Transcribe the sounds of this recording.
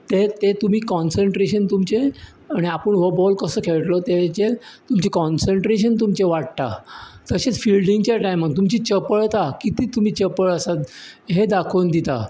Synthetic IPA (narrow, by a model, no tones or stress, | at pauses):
t̪et̪et̪um̤iːkɔnsəɳʈɾeɕənt̪umt͡ɕe | aɽ̃iapəɳʋobɔlkəsəːkʰeɭʈlɔt̪et͡ɕet̪umt͡ɕikɔnsəɳʈɾeɕ̬ənt̪umt͡ɕeʋaɽ̚t̪a̰t̪əɕet͡sfilɖiŋɡt͡ɕjaʈajmət̪umt͡ɕit͡ɕəpəɭt̪akit̪iːt̪um̤iːt͡ɕəpəɭəsat̪ | ɦed̪akʰond̪it̪a̰